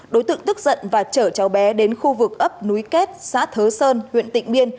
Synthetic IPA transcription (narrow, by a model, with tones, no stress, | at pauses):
ɗo˨˦jt̪ɨ̰˧˨ŋt̪ɨ˦˥k̚zə̰˧˨nvaː˨˩t͡ɕəː˧˩t͡ɕa˨˦wɓɛ˨˦ɗe˨˦nxu˧vɨ˨˩k̚ʔə˦˥p̚nu˨˦jke˦˥t̚sa̰ː˧˥t̪ʰəː˨˦səː˧nhwḭ˧˨ənt̪ḭ˧˨ŋ̟ɓi˧ən